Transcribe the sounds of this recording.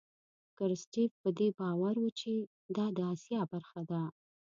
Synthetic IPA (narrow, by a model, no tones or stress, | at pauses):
kəɾsʈefpəd̪ebɑwaɾwət͡ʃe | d̪ɑd̪əɑsjɑbaɾxad̪a